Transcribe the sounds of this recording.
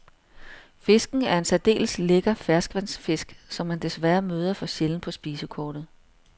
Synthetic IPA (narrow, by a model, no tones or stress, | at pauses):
fe̝sɡ̥n̩æɐe̝nsæd̥e̝̰ːlsle̝ɡ̥ɐfæɐsɡ̥ʋænsfe̝sɡ̥sɒ̽mːænd̥e̝sʋæɐmøːð̞ˠɐfɒ̽ɕeln̩pʰɒ̽sb̥iːsəkʰɒːd̥ð̩ˠ